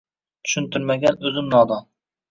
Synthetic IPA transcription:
t̪ʰy̥ʃynt̪ʰyɾmæɡʲɛnɵzɪmnɑːd̪ɑŋ

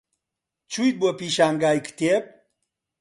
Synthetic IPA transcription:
t͡ʃʰujt̪̚buɐpiːʃaːŋɡaːjkt̪eːp̚

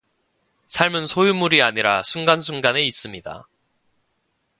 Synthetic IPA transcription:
sʰaɭmɯnsʰojumuɾiaɲiɾasʰuŋɡans̬ʰuŋɡane̞is͈ɯmɲida̰

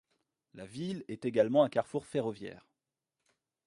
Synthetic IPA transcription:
lavilɛt̪eɡalmɑ̃ɛ̃kaʁfuʁfeʁɔvjɛ̰ːʁ

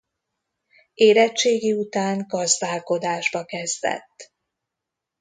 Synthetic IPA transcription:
eːɾɛt͡ʃːeːɡiut̪aːŋɡɒzd̪aːlko̞d̪aːʒbɒkɛzd̪ɛ̰t̪ː

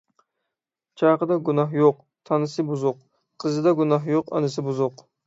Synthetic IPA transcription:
t͡ʃʰɑjqɨd̪ɑɡʊnɑɦjoq | t̪ʰɑnɨsɨbʊzʊq | qʰːɨzɨd̪aɡʊnɑɦjoqɑ̰nɨsɪbʊzʊq

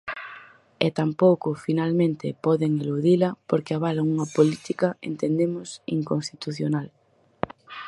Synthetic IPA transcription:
ɛt̪ampowkʊfinalmẽnt̪ɪpɔðeŋeluðilɐpoɾkeɪaβalaŋuŋɐpolit̪ikɐḛnt̪end̪emʊsḭŋkõnst̪it̪uθjonal

